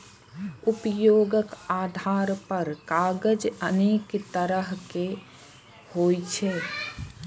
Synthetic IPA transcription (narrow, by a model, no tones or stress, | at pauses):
ʊpjoːɡəkaːd̪ʱaːɾpəɾkaːɡəd͡ʒəneːkt̪əɾəɦke | hoːit͡ʃʰeː